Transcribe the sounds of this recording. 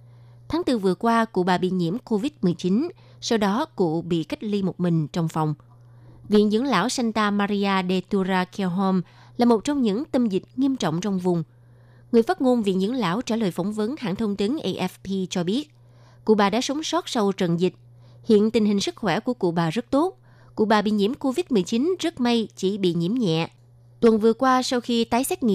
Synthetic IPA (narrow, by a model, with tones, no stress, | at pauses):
t̪ʰaː˨˦ŋt̪ɨ˧˩vɨ˨˩əkwaː˧kṵ˧˨ɓaː˨˩ɓḭ˧˨ɲḭ˧˥əmko˧vi˦˥t̚mɨ˨˩əjt͡ɕi˨˦n | sa˧wɗɔ˨˦kṵ˧˨ɓḭ˧˨ka˦˥k̚li˧mo˨˩t̚mï˨˩ŋ̟t͡ɕɔ˧wŋ͡mfa˨˩wŋ͡m | vḭ˧˨ənzɨ̰˧˥əŋla̰ː˧˥˨wsa˧nt̪aː˧maː˧ɾi˧aː˧ɗe˧t̪u˧zaː˧kʰɛ˧wɦo˧m | laː˨˩mo˨˩t̚t͡ɕɔ˧wŋ͡mɲɨ̰˧˥ŋt̪ə˧mzï˨˩k̟̚ŋi˧əmt͡ɕɔ̰˧˨wŋ͡mt͡ɕɔ˧wŋ͡mvʊ˨˩ŋ͡m | ŋɨ˨˩əjfaː˦˥t̚ŋo˧nvḭ˧˨ənzɨ̰˧˥əŋla̰ː˧˥wt͡ɕaː˧˩ləː˨˩jfɔ˧˩˦wŋ͡mvə˨˦nha̰ː˧˨ŋt̪ʰə˧wŋ͡mt̪i˨˦nʔe˧ʔɛ˦˥fpi˧t͡ɕɔ˧ɓi˦˥ət̚ | kṵ˧˨ɓaː˨˩ɗa̰ː˧˥sɔ˨˦wŋ͡msɔ˦˥t̚sa˧wt͡ɕə̰˨nzï˨˩k̚ | hḭ˧˨ənt̪ï˨˩ŋ̟hï˨˩ŋ̟sɨ˦˥k̚xwɛ˧˩ku˧˩əkṵ˧˨ɓaː˨˩zə˦˥t̚t̪o˦˥t̚ | kṵ˧˨ɓaː˨˩ɓḭ˧˨ɲi˧˥əmko˧vi˦˥t̚mɨ˨˩əjt͡ɕi˨˦nzə˦˥t̚ma˧jt͡ɕi˧˩ɓḭ˧˨ɲḭ˧˥əmɲɛ̰˧˨ | t̪wə˨˩nvɨ˨˩əkwaː˧sa˧wxi˧t̪aː˨˦jsɛ˦˥k̚ŋḭ˧˨